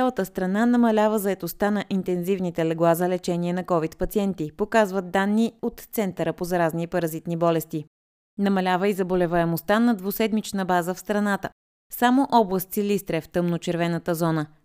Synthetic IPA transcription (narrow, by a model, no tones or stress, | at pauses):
alˠət̪əst̪ɾɐnanɐmɐlʲavəzɐɛt̪ost̪anɐʔint̪ɛnzivnit̪ɛlɛɡlˠazəlɛt͡ʃɛniɛnɐkɔvit̪pɐt̪siɛnt̪ipokazvət̪̚d̪anːiot̪t̪sɛnt̪əɾəpozɐɾaznipɐɾɐzit̪nibɔlɛst̪i | nɐmɐlʲavəizɐbolɛvəɛmost̪anɐd̪vosɛd̪mit͡ʃnəbazəfst̪ɾɐnat̪ə | samoʔɔblˠəst̪silist̪ɾɛft̪ɤmnot͡ʃɛɾvɛnət̪əzɔnə